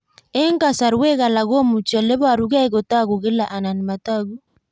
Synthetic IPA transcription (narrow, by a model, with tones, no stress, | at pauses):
e˦ŋka˨sa˨ɾwe˦ɣa˨la˨ɣo˦mu˨t͡ʃa˨le˦βa˨ɾu˦ɣa˦i˦ɣo˨ta˦ɣu˨ɣe˦la˨ʔa˨na˨ni˨ma˨taɣu˦